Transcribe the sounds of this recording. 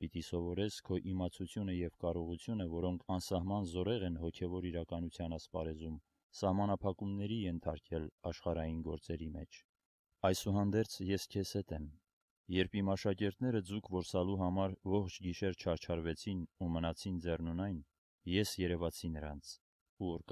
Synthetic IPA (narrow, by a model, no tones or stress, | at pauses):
pit̪isɔvɔɾɛt͡sʰkʰɔʔimɑt͡sʰut͡sʰjunəjɛvkɑrɔʁut͡sʰjunəvɔɾɔŋkʰɑnsɑɦmɑnzɔɾɛʁɛnhɔkʰɛvɔɾiɾɑkɑnut͡sʰjɑnɑspɑɾɛzum | sɑhmɑnɑpʰɑkumnɛɾijɛnt̪ʰɑɾkʰɛlɑʃχɑɾɑjinɡɔɾt͡sɛɾimɛt͡ʃʰ | ɑjsuɦɑnd̪ɛɾt͡sʰjɛskʰɛsɛt̪ɛm | jɛɾpʰimɑʃɑkɛɾt̪nɛɾəd͡zukʰvɔɾsɑluɦɑmɑɾvɔχt͡ʃʰɡiʃɛɾt͡ʃʰɑɾt͡ʃʰɑɾvɛt͡sʰinumənɑt͡sʰind͡zɛrnunɑjn | jɛsjɛɾɛvɑt͡sʰinəɾɑnt͡sʰ | uɔɾk